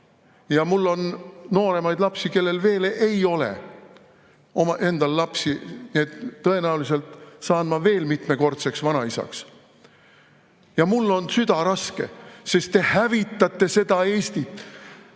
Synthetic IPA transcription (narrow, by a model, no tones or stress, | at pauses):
jɑmulːo̞nno̞ːɾe̞mɑjd̪̥lɑpsike̞lːe̞lve̞ːlʔe̞jo̞lḛ | o̞mɑʔe̞nd̪̥ɑllɑpsinie̞t̪ːɤ̞e̞næwlise̞lt̪sɑːnmɑve̞ːlmit̪me̞ko̞rt̪se̞ksvɑnɑisɑ̰ks | jɑmulːo̞nsyd̪̥ɑɾɑske̞̰se̞st̪t̪e̞hævit̪ːˑɑt̪ˑːe̞se̞d̪ɑe̞ːsʲt̪it̪